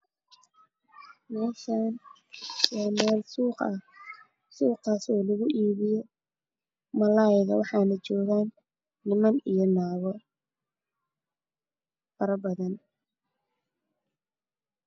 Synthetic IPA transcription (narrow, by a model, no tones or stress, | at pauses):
mɛːʃaːn | wɑːmɛːlsuːqɐ | suːqɑːsɔːlɐɣʊʔiːβɪjɔ | mɐlaːjɪɣɐ̰wɑħɑːnɐt͡ʃɔːɣaːnː | ɪmɐnijɞnaːwɔ | fɐɾɐbɐðɐn